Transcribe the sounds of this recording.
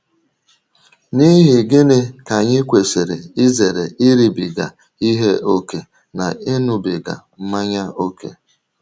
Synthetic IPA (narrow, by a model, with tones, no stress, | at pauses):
ni˦ɦi˨ɡɪ˦nɪ˦ka˨ɲɪ˦kʷe˨se˨ɾe˨i˦ze˨ɾe˨ɪ˦ɾi˨bi˨ɡa̰˨ | i˦ɦe˦ʔo˦ke˨ | na˨ɪ˦nʊ˨bi˨ɡa̰˨m̩˦ma˦ɲa˦o˦kḛ˦